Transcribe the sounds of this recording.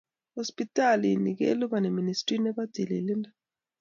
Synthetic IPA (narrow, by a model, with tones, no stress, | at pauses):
hɔ˦spi˦tʼa˦lini˨k̬ɛḛ˦lu˦ɓa˨nɛ˨mi˨nistʼri˦nɛ˦ɓḁd̥ʱi˨lḭ˨li˦nda˨